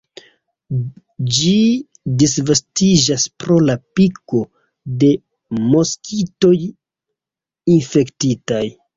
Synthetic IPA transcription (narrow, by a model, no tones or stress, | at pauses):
d͡ʒi | disvastid͡ʒaspɾo̞lapiko̞ | de̞ | mo̞skʰito̞j | infe̞ktitaj